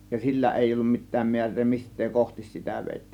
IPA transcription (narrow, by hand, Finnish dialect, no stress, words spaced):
jɑ silːæ eˑij olːum mitˑæːm miærˑeː mistˑeː kohtis sitæ ʋeˑitːiːn